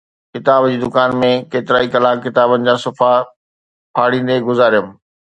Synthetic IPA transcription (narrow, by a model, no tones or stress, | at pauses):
kɪt̪aːbd͡ʑiːd̪ʊkaːnmẽkeːt̪ɪɾaːikɐlaːkkːɪt̪aːbənɪ̆d͡ʑaːsʊfa | pʰaːɽ̤̃ĩːn̆d̪eɡʊzaːɾjəm